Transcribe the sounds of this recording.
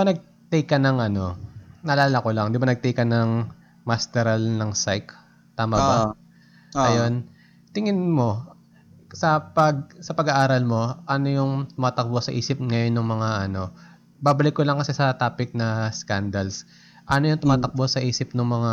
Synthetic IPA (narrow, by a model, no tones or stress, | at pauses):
pɐnɐɡ̚ | t̪ejkːɐnɐŋʔɐno̞nɐlaːlɐkolɐŋd̪ɪbanɐɡ̚t̪ɛjkɐnɐŋ | mast̪ɛɾɐlnɐŋsajk | t̪aːmɐba | ɐjo̞n | t̪ɪŋɪnmo̞ | sɐpɐɡ̚sɐpɐɡɐʔaːɾɐlmo̞ʔɐno̞jʊŋt̪ʊmaːt̪ɐk̚bosɐʔiːsɪp̚ŋɐjo̞nːʊŋmɐŋaʔɐno̞ | baːbɐlɪkːolɐŋkɐsɛsɐt̪aːpɪk̚nɐskand̪ɐls | ʔɐno̞jʊŋt̪ʊmaːt̪ɐk̚bosɐʔiːsɪpnʊŋmɐŋa